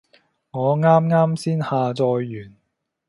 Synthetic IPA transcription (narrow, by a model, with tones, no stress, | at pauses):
ŋɔː˨˧ŋaː˥mŋaː˥msiː˥nhaː˨˧t͡sɔː˧jːyː˨˩n